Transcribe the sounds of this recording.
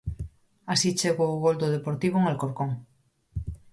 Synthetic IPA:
asit͡ʃeɣoːɣold̪oðepoɾt̪iβ̞oŋalkoɾkoŋ

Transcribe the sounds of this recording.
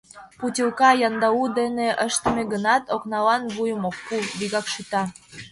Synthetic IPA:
putʲilkɑjɑnd̪ɑud̪eneʔəʃt̪əmeɣənɑt̪oknɑlɑnβujəmokːubiɣɑkʃyt̪ɑ

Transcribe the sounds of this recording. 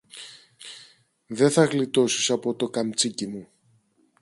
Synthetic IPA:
ðe̞θɐɣlit̪o̞sisɐpo̞t̪o̞kɐmt͡sicimu

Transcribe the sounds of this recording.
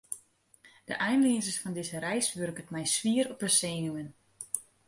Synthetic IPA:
d̥ə̰ʔɛjnliənzəsfɔndɪzəɾɛjsʋørkətmɛjsʋiəɾɔpəseːnuən

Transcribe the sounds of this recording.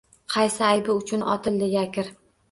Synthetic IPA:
qʰɑjsɪajbɪʊt͡ʃʰʊnʔɒ̰t̪ʰɪld̪ɪjakʲɪɾ

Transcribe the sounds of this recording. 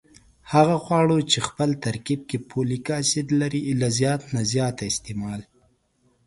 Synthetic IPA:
haɣaxwɑɽot͡ʃexpəlt̪aɾkib̚kepʰolikɑsid̪laɾilazjɑt̪nazjɑt̪aɪst̪emɑl

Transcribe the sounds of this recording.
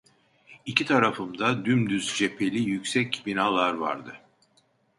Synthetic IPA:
icʰit̪ʰaɾafɯmd̪ad̪ymd̪yzd͡ʒe̞pʰe̞lʲijycsɛcbinalˠaɾva̰ɾd̪ɯ

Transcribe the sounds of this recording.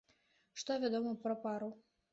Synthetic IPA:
ʂt̪ɔvʲad̪ɔmɐpɾɐpaɾu

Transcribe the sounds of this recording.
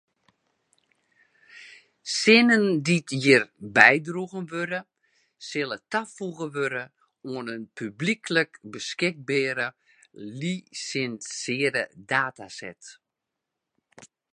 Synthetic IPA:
sɪnənditjirbɛjdruɣənʋøɾə | sɪlˠətafuɣəʋøɾə | oənənpʰyblikʰləkbəskɪk̚bɛːɾə | lisɪnsɪədədaːtasɛ̰t

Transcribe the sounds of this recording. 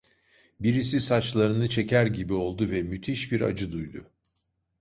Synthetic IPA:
biɾis̬isat͡ʃlˠaɾɯnɯt͡ʃʰe̞cæɾɟibio̞lˠd̪uvɛmyt̪ʰiʃbiɾa̰d͡ʒɯd̪ujd̪ʊ

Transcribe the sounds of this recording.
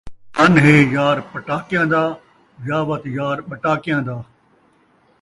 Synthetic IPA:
ɐnɦeːjaːɾpɐʈaːkɪjãːnd̪aː | jaːʋɐt̪jaːɾɓɐʈaːkijãːd̪aː

